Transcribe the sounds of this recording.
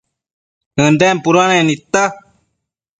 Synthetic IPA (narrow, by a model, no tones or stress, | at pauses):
ɨnɖɛmpuɾuanẽnit̪ːa